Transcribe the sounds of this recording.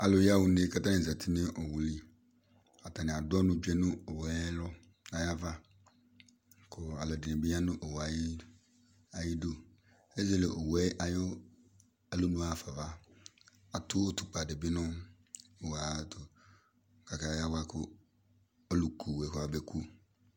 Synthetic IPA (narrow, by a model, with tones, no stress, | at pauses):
a˨lʊ˨ja˦˨wʊ˨nɪ̃˦ka˦ta˦nɪ˨za˨tʰɪ˦nɪ˦ʔɔ˨wʊ˨li˦ | a˨ta˨nɪ̃˨a˨dɔ˦nʊ̃˦d͡ʒᶣɛ˦nʊ̃˦o˨wɛ˨˦lɔ˦ | a˨ja˦va˦ | kʰʊ˨a˨lɔ˨dɪ˨nɪ̃˨bɪ˦ja˦nʊ̃˦ʔo˨wa˨jɪ˦ | a˨jɪ˦do˦ | ɛ˦zɛ˦˨lɪ˨ʔɔ˨wɛ˦ʔa˨jo˦ | a˨lo˦nʊ̃˦a˨fa˨va˦ | a˨tʰʊ˦o˦tʰʊ˨k͡pa˨dɪ˨bɪ˦nʊ̃˦ | o˨wa˨tʰʊ˨ | ka˨ka˨˦ja˦wa˦kʰʊ˦ | ɔ˦lʊ˨kʰu˨wɛ˨˦kʊ˨˦a˨bɛ˨kʰu˦˨